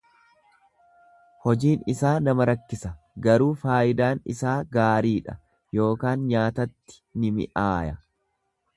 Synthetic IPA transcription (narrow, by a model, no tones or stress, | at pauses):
hɔd͡ʒiːnɪsaːnɐmɐɾɐkːɪsɐ | ɡɐɾuːfaːʔɪd̪aːnɪ̰saːɡaːɾiːᶑɐ̥ | jo̞ːkaːnɲaːt̪ɐt̪ːɪ̥nɪmɪ̰ʔaːjɐ